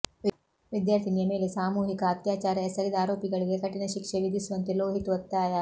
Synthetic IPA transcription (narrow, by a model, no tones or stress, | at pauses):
ʋid̪jaːɾt̪ʰiniemeːlesaːmuːɦikɐːt̪jaːt͡ɕaːɾjasɐɾid̪aːɾoːpiɡɐɭiɡekɐʈinɐɕikʂeʋid̪ʱisʋɐnt̪iloːɦit̪ʋɐt̪ːaːjaː